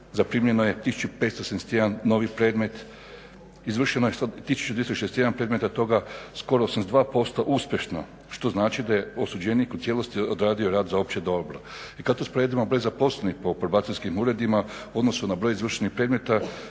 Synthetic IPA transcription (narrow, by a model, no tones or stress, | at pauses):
zapɾimje̞nojet̪isu̥t͡ʃupet̪st̪osenst̪jed̪anːo̞ʋipɾe̞ːd̪me̞t̪ | izʋr̩ʃenojesad̪t̪isu̥t͡ʃud̪jest̪oʃest̪jed̪anpɾe̞d̪me̞t̪at̪o̞ɡasko̞ɾoosanzd̪ʋaːpo̞st̪oʔuspʲje̞ʃno | ʃt̪o̞znaːt͡ʃid̪ajeosud͡ʑenikut̪sje̞lo̞st̪iod̪ɾaːd̪io̞ɾaːd̪zao̞p̚t͡ɕed̪o̞bɾo̰ | ikad̪̚k̪ospɾoed̪imabɾo̞jzapo̞slenihpo̞poɾbat̪inskimuːɾe̞d̪ima | uo̞d̪no̞sunabɾo̞jizʋr̩ʃenixpɾed̪met̪a